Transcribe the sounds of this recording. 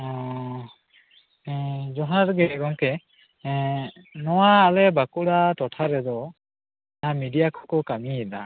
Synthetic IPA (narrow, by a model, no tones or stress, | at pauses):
ɔ | d͡ʒɔɦaɾɡɛɡɔŋkɛ | nɔwaːlɛbakuɽatɔtʰaɾɛdɔ | amidijakʰɔ̥kɔkamiɛla̰